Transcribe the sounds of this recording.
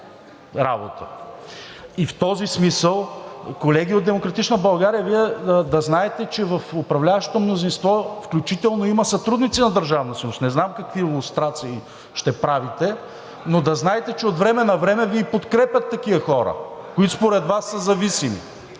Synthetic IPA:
ɾa̰bo̰t̪ə | ift̪ɔzismisəlˠkolɛɡʲiod̪d̪ɛmokɾɐt̪it͡ʃnəbɐlˠɡaɾijɐviɛd̪ɐznaɛt̪ɛt͡ʃɛvɐfʊpɾɐvlʲavɐʃo̥t̪omnozinst̪vɔfklʲut͡ʃit̪ɛlˠnoimɐsɐt̪ɾud̪nit̪sinɐd̪ɐɾʒavnɐsəusnɛznamkɐkviilˠʊst̪ɾat̪siː | ʃt̪ɛpɾavit̪ɛ | nod̪ɐznaɛt̪ɛt͡ʃɛot̪vɾɛmɛnɐvɾɛmɛvipot̪kɾɛpʲjʲɐt̪ːɐk̟iɐxɔɾə̰koit̪ʊ̥spoɾɛd̪vasːɐzɐvisimḭ

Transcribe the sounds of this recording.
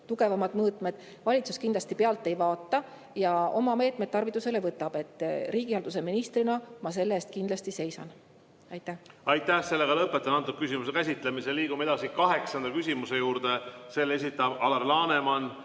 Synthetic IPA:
t̪uɡe̞vɑmɑd̪̥mɤːt̪ˑme̞d̪̥ | vɑlʲit̪su̥skind̪lɑst̪ipeɑlt̪ˑːe̞jvɑːt̪ːɑ | jɑo̞mɑme̞ːt̪ˑmed̪̥̚t̪ːɑrvit̪ːˑuse̞le̞vɤt̪ːˑɑb̥e̞t̪ːˑriːɡ̥iɑld̪us̬e̞minist̪rinɑmɑs̬e̞lːeest̪̚kind̪lɑst̪ise̞jsɑ̰n | ɑjt̪ːˑæhɑjt̪ːˑæhse̞lːeɡɑlɤpːˑet̪ːˑɑnɑnt̪ːuk̪̚kysimus̬ekæsʲit̪ːlemiseliːɡ̥ume̞d̪̥ɑsikɑɦe̞ksɑnd̪ɑkysʲimuse̞juːɾd̪e̞se̞le̞s̬ʲit̪ːˑɑbɑlɑrlɑːne̞mɑn

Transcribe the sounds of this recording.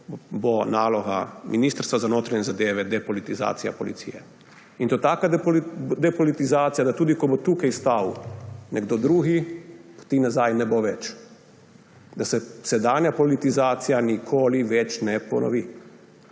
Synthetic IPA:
bonaːlɔɣa̰miniːst̪əɾst̪ʋazanoːt̪ɾaɲɛzad̪eːʋɛd̪ɛpɔlit̪iza̰ːt̪sija̰pɔlḭt̪sḭjɛ̰ | int̪ot̪aːkad̪ɛpɔlit̪izaːt̪sijad̪at̪uːd̪ikɔbot̪uːkajst̪awnɛɡd̪od̪ɾuːɣipt̪inazajnɛboʋɛt͡ʃ | d̪asɛsɛd̪aːnjapɔlit̪izaːt̪sijanikʰoːliʋɛt͡ʃnɛpɔ̰nʔɔ̰ʋi

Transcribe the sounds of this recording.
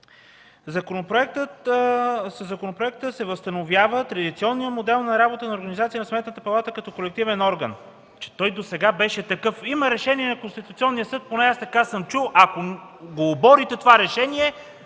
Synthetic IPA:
zɐkonopɾoɛkt̪ət̪ | səzːɐkonopɾoɛk̚t̪əsɛvəst̪ɐnovjavət̪ɾɐd̪it̪siɔnːijəmod̪ɛlˠnɐɾabot̪ənɐoɾɡɐnizat̪sijənɐsmɛt̪nət̪əpɐlˠat̪əkɐt̪ɔkolɛk̚t̪ivɛnɔɾɡən | t͡ʃɛ̥t̪ɔjd̪osɛɡabɛʃɛt̪ɐkɤfiməɾɛʃɛniɛnɐkonst̪it̪ut̪siɔnːijəsɤt̪̚ponɛast̪ɐkasɤmt͡ʃulˠʔɐkoɡoːbɔɾit̪ɛt̪ovaɾɛʃɛniɛ

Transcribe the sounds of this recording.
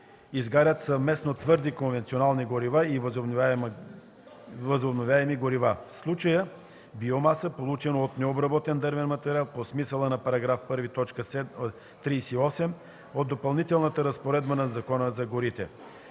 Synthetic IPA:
izɡaɾʲət̪sɐvmɛsnot̪vɤɾd̪ikonvɛnt̪sionalˠniɡoɾivaivzo | vəzobnovʲjaɛmiɡoɾivafslˠut͡ʃəjə | biomasəpolˠut͡ʃɛnoot̪nɛobɾɐbɔt̪ɛnd̪əɾvɛnmɐt̪ɛɾialˠposmisəlˠənɐpɐɾɐɡɾafpɤɾvit̪ɔt͡ʃkəsɛ | t̪ɾisiɔsɛm | od̪d̪ːopɐlˠnit̪ɛlˠnət̪əɾɐspoɾɛd̪bənɐzɐkɔnəzɐɡoɾit̪ɛ̰

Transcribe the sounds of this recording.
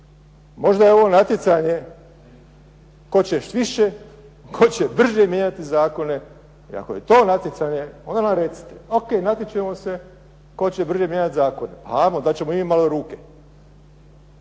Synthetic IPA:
mo̞ʒd̪ajeo̞ʋo̞nat̪jet̪saɲe̞ | ko̞t͡ɕeʃt̪ʋiʃe | kʰo̞t͡ɕebr̩ʒjemjeɲat̪izaːko̞ne̞ | ḭa̰ko̰je̞t̪o̞ːnat̪jet̪saːɲe̞ond̪anamɾet̪si̥t̪e̥okejnat̪jet͡ʃemo̞se̞ | ko̞t͡ɕebr̩ʒjemjeɲat̪zaːko̞ne̞̰pa̰amod̪at͡ɕe̞moiiːmaloɾuːke

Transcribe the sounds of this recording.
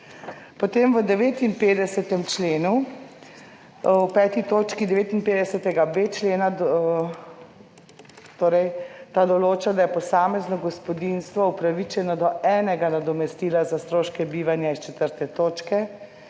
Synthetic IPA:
pɔt̪eːmʋəd̪ɛʋeːt̪inpeːd̪ɛsɛt̪ɛmt͡ʃleːnu | wpɛːt̪it̪oːt͡ʃkid̪ɛʋeːt̪inpeːd̪ɛsɛt̪ɛɡabeːt͡ʃleːna | t̪oːɾɛjt̪ad̪ɔloːt͡ʃad̪ajɛpɔsaːmɛznɔɡɔspɔd̪inst̪ʋɔupɾaʋit͡ʃɛnɔd̪ɔɛːnɛɡanad̪ɔmɛst̪iːlazast̪ɾoːʃkɛbiːʋanjaist͡ʃɛt̪əɾt̪ɛt̪oːt͡ʃkɛ

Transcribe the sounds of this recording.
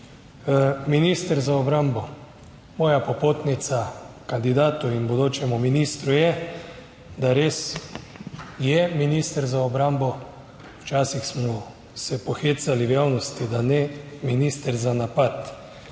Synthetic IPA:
miniːst̪əɾzaɔbɾambɔ | mɔːjapɔpoːt̪nit̪sakand̪id̪aːt̪uinbɔd̪oːt͡ʃɛmuminist̪ɾujɛ | d̪aɾeːs | jɛminist̪əɾzaɔbɾambɔ | wt͡ʃaːsixsmɔ | sɛpɔxeːt̪saliwjaːwnɔst̪id̪anɛminiːst̪əɾzanapat̪

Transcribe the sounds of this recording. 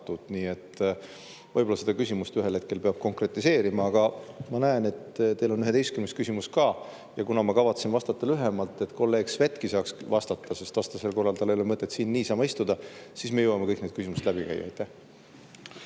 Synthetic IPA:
t̪ːud̪̥niːe̞t̪ː | vɤjbolɑse̞d̪̥ɑkysʲimust̪yɦelheke̞lpe̞ɑb̥̚ko̞ŋkre̞t̪ːˑise̞ːɾimɑɑɡ̥ɑmɑnæene̞t̪t̪e̞lo̞nyɦe̞d̪e̞jst̪kymnest̪kysʲimust̪kɑː | jɑkunɑmɑkɑvɑt̪sinvɑst̪ɑt̪ːˑɑlyɦe̞mɑlt̪ːˑe̞t̪ko̞lːe̞ːɡ̥sve̞t̪ːˑkisɑːksvɑst̪ɑt̪ːɑse̞st̪vɑst̪ɑse̞lko̞rːɑlt̪ɑleolemɤt̪ˑːe̞t̪siːnːiːsɑmɑist̪ud̪ɑsiːsme̞jowɑme̞kɤjk̚ned̪̥kysʲimuset̪læb̥ikæ̰jːɑ̰ɑ̰jt̪ːˑæh

